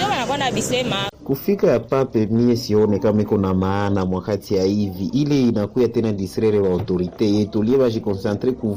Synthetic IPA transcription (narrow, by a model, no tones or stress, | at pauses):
eβanakwanabisemakufikajapapemiesionekamɛkonamaːnamwakatʰiaiviʔileinakujatenadisrɛɾeβautoɾitejetolieβaʒikɔ̃nsantreku